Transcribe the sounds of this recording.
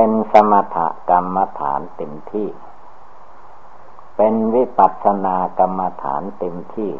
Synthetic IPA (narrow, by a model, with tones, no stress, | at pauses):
pe˧nsa˧ma˧t̪ʰa̰˦˩ʔka˧mːa˧t̪ʰa̰ː˩˦nt̪e˧mt̪ʰiː˥˩ | pe˧nwi˦˥pa˨˩t̪̚sʰa˧naː˧ka˧mːa˧t̪ʰa̰ː˩˦nt̪e˧mt̪ʰiː˥˩